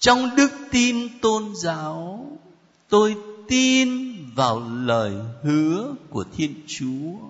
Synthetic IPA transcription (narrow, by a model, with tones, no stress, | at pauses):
t͡ɕɔ˧wŋ͡mɗɨ˦˥k̚t̪i˧nt̪o˧nzaː˨˦w | t̪o˧jt̪i˧nvaː˨˩wləː˨˩jhɨ˨˦əku˧˩ət̪ʰi˧ənt͡ɕu˨˦ə